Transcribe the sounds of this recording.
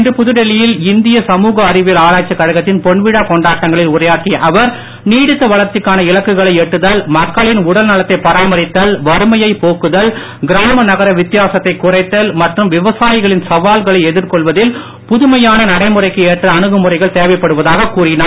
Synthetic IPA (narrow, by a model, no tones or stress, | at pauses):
ndrɯpʊðɯɽɛlɪjɪlɪnd̪ɪjɐsɐmuːɣɐːɾɪʋɪlaːɾaːt͡ʃːɐkːɐɻɐɣɐt̪ːɪnpɔɳʋɪɽakɔɳɖaːʈːɐŋɡɐɭɪlʊrɐjaːʈːiʔɐʋɐɾ | niːɽɪt̪ːɐʋɐɭɐɾt̪ɪkːaːnɐɪlɐkːɯɣɐɭɐɪɛʈːɯðɐlmɐkːɐɭɪnʊɽɐlnɐlɐt̪ːɐɪpɐɾaːmɐɾɪt̪ːɐlʋɐɾɯmɐjɐɪpoːkɯðɐl | ɡɪɾaːmɐnɐɣɐɾɐʋɪt̪ːɪjaːsɐt̪ːɐɪkʊrɐɪt̪ːɐlmɐʈrɯmʋɪʋɐsaːjɪɣɐɭɪnsɐʋaːlɣɐɭɐɪɛðɪɾkɔɭʋɐðɪl | pʊðʊmɐjaːnɐnɐɽɐɪmɯrɐɪkːɯeːʈrɐːɳɯɣɯmʊrɐɪɣɐɭt̪eːʋɐɪpːɐɽɯʋɐðaːɣɐkuːrɪnaː